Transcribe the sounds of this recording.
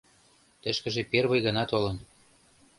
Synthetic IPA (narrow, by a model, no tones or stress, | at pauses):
t̪ə̆ʃkə̆ʒĕperβɤ̆jɣɤnɑt̪olɤ̆n